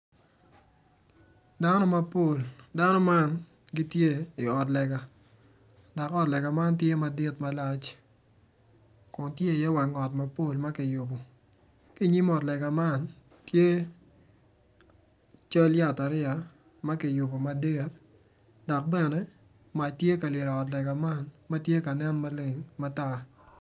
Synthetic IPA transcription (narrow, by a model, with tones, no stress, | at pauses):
da˦nɔ˦ma˦po˦˨lda˦nɔ˦ma˦n | ɡi˦tje˦i˨ɔ˨tlɛ˨ɡa˨ | dɔ˨kɔ˦˨tlɛ˨ɡa˨ma˦ntje˦ma˨di˦tma˦la˦t͡ʃ | kʊ˨ntje˦˨jɛ˦wa˨ŋɔ˨tma˦po˦˨lma˦ki˨jʊ˨bo˨ | ki˦˨ɲi˦mɔ˨tlɛ˨ɡa˨ma˦n | tje˦ | t͡ʃo˦lja˦ta˨ɾɪ˦a˨ | ma˦ki˨jʊ˨bo˨ma˨di˦t̚ | dɔ˨k̚bɛ˨nɛ˦ | ma˨tje˦ka˨lɪ˨ɾɔ˨ɔ˨t̬lɛ˨ɡa˨ma˦nmɐ˦tje˦ka˨nɛ˦nma˦le˨ŋma˦ta˦